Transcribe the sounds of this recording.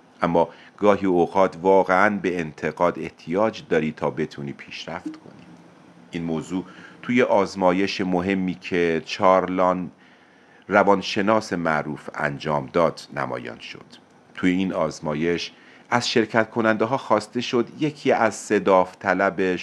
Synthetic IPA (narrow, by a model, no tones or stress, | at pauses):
ʔæmːɒːɡ̥ɒːɦiːoːɣɒːt̪ʰvɒːɣeænbe̞ːnt̪ʰe̞ɣɒːd̪e̞ht̪ʰijɒːd͡ʒd̪ɒːɾiːt̪ʰɒːbe̞t̪ʰuniːpʰiːʃɾæft̪kʰo̞̰nḭ | ʔiːnmoːzuːt̪ʰuːje̞ʔɒːzmɒːje̞ʃemoɦe̞mːiːcʰe̞t͡ʃʰɒːɾlɒn | rævɒːnʃe̞nɒːsemæʔɾuːfæ̰nd͡ʒɒːmd̪ɒːd̪̥næ̰mɒ̰ːjɒ̰nʃo̞̰d̪̥ | t̪ʰujeiːnɒːzmɒːje̞ʃ | ʔæz̥ʃe̞ɾcʰæt̪̚kʰo̞nænd̪eɦɒːxɒːst̪e̞ʃo̞d̪jecʰiːæzse̞d̪ɒːft̪ʰælæbe